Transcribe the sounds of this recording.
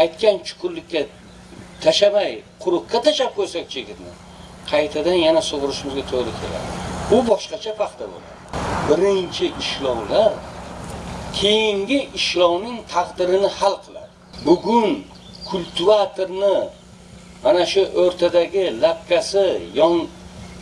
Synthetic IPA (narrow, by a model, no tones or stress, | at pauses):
ajt̪kʲant͡ʃʰʊ̥kʰʲʊllːɪkʲːa | t̪ʰaʃamajqʰʊɾʊqːat̪ʰaʃap̚kʲʰɵɾsak̚ʲt͡ʃʰeɡʲɪt̪nɪ̰ | qʰɑjt̪ʰad̪anjanasoʁɨɾɪʃɪmɪzɡʲat̪ʰoʁɾɪkʲʰe̞la̰d̪ɪbʊbɒʃqɑt͡ʃʰapʰɑqt̪ʰabo̰la̰d̪ɪbɪɾɪnt͡ʃʰɪʔɪʃlˠɒwlaɾ | kʲʰe̞jɪŋɡʲɪʔɪʃlˠɒwnɪŋt̪ʰɑqd̪ɪɾɪnɪhalˠqʰɨlˠa̰d̪ɪbʊɡʲʊn | kʰʊlʲt̪ʰuat̪ʰoɾnɪ | manaʃʊʔoɾt̪ʰad̪aɡʲɪlap̚kʲasɪjɒŋ